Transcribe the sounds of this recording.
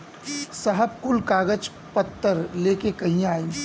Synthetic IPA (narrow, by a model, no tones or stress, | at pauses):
səɦəbkʊlkaːɡəd͡ʒ | pət̪ːəɾleːkekɐɦĩaːĩː